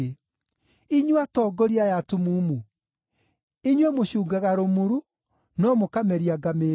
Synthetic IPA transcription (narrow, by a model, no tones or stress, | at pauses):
iɲwatɔːɡɔɾiajatumuːmu | iɲwɛmoɕuːɡaɣaɾomuɾu | nɔmokamɛɾiaɡame